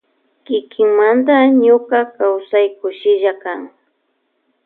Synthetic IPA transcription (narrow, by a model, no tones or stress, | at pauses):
kɪkʰɪŋmand̪aɲokakawsajkʊʃɪʒakaŋ